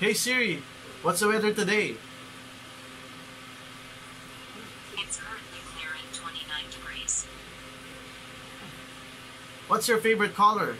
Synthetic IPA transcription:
heɪsɪɹi | wʌtsəwɛðə˞tɨdeɪ | ɨtskʰɜ˞ɨ̃nʔˡlikʰlɪɹɪ̃ntʰw̥ɛ̃ñinãɪ̃ndɨɡɹiz̥ | wʌtsjə˞feɪvə˞ɨt̚kʰɔlˠə˞

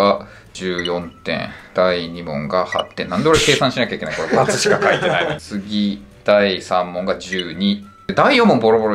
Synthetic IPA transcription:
a | d͡ʑɨːjõ̞nt̪ẽ̞̰ŋd̪̥aiɲimõ̰ŋɡaha̰t̪ːẽ̞nand̪oɾeke̞ːsãɕinakʲaikenaikoɾmat͡sɨɕi̥kakait̪e̞nait͡sɨɡʲi | d̪̥aisãmːõ̞ŋɡad͡ʑɨːɲ̟i | d̪ed̪aijõ̞mːombo̞ɾobo̞ɾo

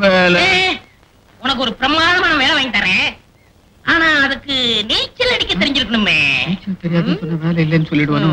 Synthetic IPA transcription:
ʋeːlɛ | ʊnɐkːɯɔɾɯpɪɾɐmaːðɐmaːnɐʋeːlɛʋaːŋɡɪt̪aːɾeː | ʔaːnaːɐðɯkːɯniːt͡ʃːɐlɛɳɪkːɐt̪ːɪɾɪɲd͡ʒɪɾɯkːɐɳɯmːeːiːt͡ʃːɐlt̪ɛɾɪjaːðɐsɔnːɐʋeːlɐɪlːɛnːɯsɔlːɪɽɯʋɐːnɯ̃

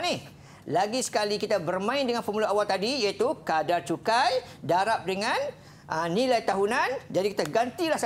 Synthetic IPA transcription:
nih | laɡisə̥kalikit̪abərmãɪndəŋanpəmuluawalt̪adijait̪ukadart͡ʃukaj | daɾap̚dəŋan | ʔənilajt̪aɦunand͡ʒadikit̪aɡant̪ilahs

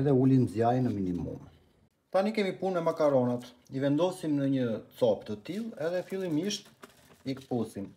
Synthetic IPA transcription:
ɛðɛulinzjajnəminimṵm | t̪anikɛmipunɛmakaɾɔnat̪ | ivɛnd̪ɔsimnəɲət͡sɔpt̪ət̪ilˠɛðɛfilˠimiʃt̪ | ikə̥pusim

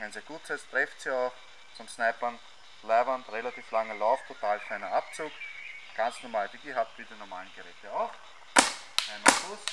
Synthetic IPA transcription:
ɛnseɐɡ̥uːtʰɪst̪ʁ̥ɛftsiaʊx | t͡sɔnsnɛɪpɐn | lɛɪvɐntʁelatiːflaŋəlaʊftʰːotʰaːlkʰlæɪnɐap̚t͡suːkɡ̥ant͡snɔmaːləd̥iɡiɦap̚tfiːdənɔɐmaːlənɡ̥əʁɛːtəaʊx | ɛnmakʊs

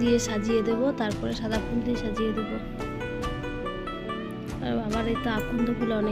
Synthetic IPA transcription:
d̪ijeʃad͡ʑijed̪ebot̪aɾpɔɾeʃad̪ʱapund̪ijeʃad͡ʑied̪ebo | t̪a̰amaɾejt̪oakːund̪okulaɔne

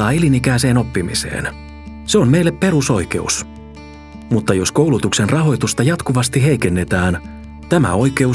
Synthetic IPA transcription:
ɑːelinikæːse̞ːno̞pːimḭse̞̰ːn | se̞o̞mme̞ilːeppe̞ɾuso̞jke̞̰ṵs | mut̪ːɑjo̞sko̞wlut̪ukse̞nrɑɦo̞jt̪ust̪ɑjɑt̪kuʋɑst̪iɦe̞jke̞nːe̞t̪æːn | t̪æmæ̰o̞jke̞u

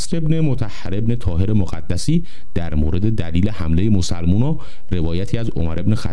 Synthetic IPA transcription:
sɾe̞bne̞mot̪ʰæhːæɾe̞bne̞t̪ʰɒːɦe̞ɾemoɣæ̰d̪ːæsiː | d̪̥æɾmoːɾe̞d̪e̞d̪æliːlehæmle̞je̞mosælmuːnɒː | re̞vɒːjæt̪ʰiːæzo̞̰mæɾe̞bnexæ̰

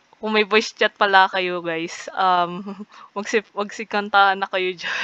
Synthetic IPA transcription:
kʊŋmɐjbojst͡ʃɐt̪̚pɐlɐkɐjoɡajsʔɐmːɐɡsɪmɐɡ̚sɪkɐnt̪ahɐnːɐkɐjod͡ʒɐ

